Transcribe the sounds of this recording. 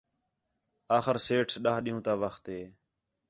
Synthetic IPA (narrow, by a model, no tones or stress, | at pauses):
aːxəɾseːʈʰsɗaːɦɗĩɦũːt̪aːʋəxt̪ɦeː